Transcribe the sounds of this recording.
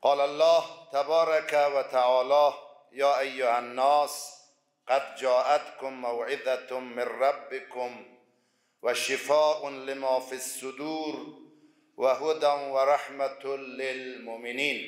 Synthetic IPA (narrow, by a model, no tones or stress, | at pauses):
qɑːlalːɑːht̪abɑːɾˤɑkawat̪aʕɑːlɑː | jɑːʔajːʊhanːaːs | qad̪d͡ʒɑːʔat̪kʊmːawʕɪd̪amːɪnɾɑbːɪkʊm | waʃɪfaːʔʊnlɪmaːfisːʊd̪uːɾ | waɦʊd̪anwaɾˤɑħmat̪lɪlmʊʔmɪniːn